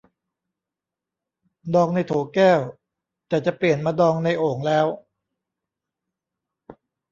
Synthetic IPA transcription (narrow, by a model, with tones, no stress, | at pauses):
dɔː˧ŋna˧jt̪ʰoː˩˦kɛː˥˩w | t̪ɛː˨˩t͡ɕa˨˩pli˨˩ənmaː˧dɔː˧ŋna˧jʔoː˨˩ŋlɛː˦˥w